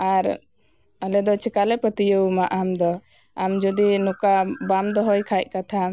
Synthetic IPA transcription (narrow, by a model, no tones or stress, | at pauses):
aɾ | alɛd̪ɔt͡ʃʰɛkalɛpət̪ijəwmaʔamd̪ɔ | amd͡ʒɔd̪inukabamd̪ɔɦɔjkʰajʔ̚ˀkat̪ʰa